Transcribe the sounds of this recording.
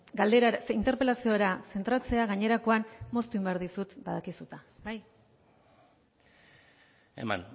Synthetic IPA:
ɡald̪eɾaint̪e̞ɾpe̞lasioɾase̞nt̪ɾat͡se̞aɣaɲe̞ɾako̞anmo̞st̪uimbeaɾðisut̪baðakisut̪abaj | ḛma̰n

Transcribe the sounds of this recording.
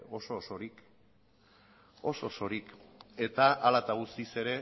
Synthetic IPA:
o̞so̞soɾik | o̞so̞so̞ɾike̞t̪aʔalat̪aɣust̪ise̞ɾe̞

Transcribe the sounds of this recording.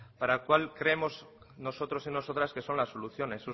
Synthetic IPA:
paɾakwalkɾeemo̞z | no̞so̞t̪ɾo̞sinosot̪ɾaske̞so̞nlasːo̞luθjo̞ne̞su

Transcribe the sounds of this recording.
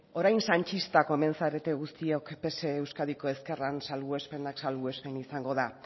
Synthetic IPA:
o̞ɾajnsant͡ʃist̪ako̞eme̞nsaɾe̞t̪e̞ɣust̪iokpe̞se̞ːwskaðiko̞e̞ske̞ransalɣue̞spe̞naksalɣue̞spe̞nisaŋɡo̞ða

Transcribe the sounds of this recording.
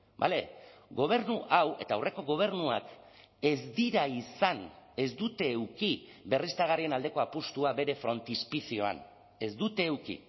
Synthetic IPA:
ba̰le̞ɡo̞β̞e̞ɾnuʔawe̞t̪aːwre̞ko̞ɣ̞o̞β̞e̞ɾnuak | e̞zd̪iɾaisane̞zd̪ut̪e̞ːwkibe̞rist̪aɣ̞arie̞nald̪e̞ko̞apust̪uaβe̞ɾe̞fɾo̞nt̪ispisio̞a̰n | e̞zd̪ut̪e̞ːwkḭ

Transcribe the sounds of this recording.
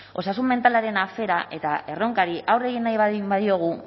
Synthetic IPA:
o̞sasumme̞nt̪alaɾe̞nafe̞ɾaʔe̞t̪ae̞ro̞ŋkaɾiʔawre̞ɣinːajβabaðio̞ɣ̞u

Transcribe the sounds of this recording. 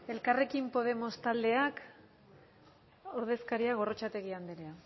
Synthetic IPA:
e̞lkare̞kimpo̞ð̞e̞mo̞st̪ald̪e̞ak | o̞ɾð̞e̞skaɾiaɣ̞o̞ro̞t͡ʃat̪e̞ɣ̞iand̪iɾea

